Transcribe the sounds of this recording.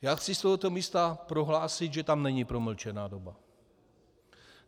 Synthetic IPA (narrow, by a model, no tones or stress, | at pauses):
jaːxt͡sist̪oɦɔt̪omiːst̪apɾoɦlaːsid̪ʒɛt̪amnɛɲipɾoml̩t͡ʃɛnaːdoba